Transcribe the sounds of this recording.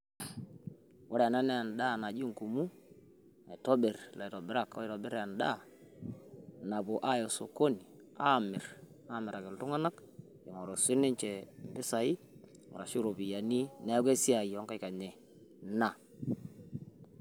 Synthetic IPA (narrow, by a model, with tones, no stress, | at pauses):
wɔ˦ɾa˨na˦nɛ˦a˨n˨da˦˨na˨d͡ʒi˦ŋku˨mu˦ | a˨tɔ˦bɪ˨ɾla˨tɔ˨bɪ˨ɾa˦˨kɔ̰˦i˨tɔ˨bɪ˦ɾa˨nda˦˨ | na˨bʊ˨ʔa˦˨jɔ˨so˨ko˦ni˨ | a˦˨mɪ˨ɾ | a˦˨mɪ˨ɾa˨kɪ˨ltʊ˦ŋa˦na˦k | ɛ˨ŋɔ˨ɾɔ˨sɪ˦nɪ˦ɲt͡ʃɛ˨mbɪ˦sa˨i˦ | ŋʊ̰˨ɾa˨ʃi˦ɾo˨bi˨ja˨ni˦nɛ˦ɡɛ˦si˦a˨jɔ˨˦ŋka˦jka˨ɲɛ˨ | na˨